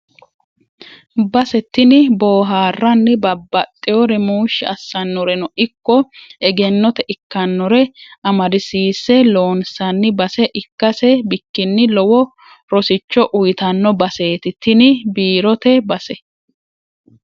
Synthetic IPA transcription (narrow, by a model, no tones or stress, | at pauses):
bɐsɛt̪ːɪnɪboːɦaːrːɐnːɪbɐbːɐt̪ʼːɪjɔɾɛmuːʃːɪɐsːɐnːɔɾɛnɔʔɪkːɔɛɡɛnːɔt̪ɛʔɪkːɐnːɔɾɛɐmɐd̪ɪsiːsːɛlo̞ːnsɐnːɪbɐsɛʔɪkːɐsɛbɪkːɪnːɪlɔwɔ | ɾɔsɪt͡ʃːɔʔʊjɪt̪ɐnːɔbɐseːt̪ɪt̪ːɪnɪbiːɾɔt̪ɛbɐsɛ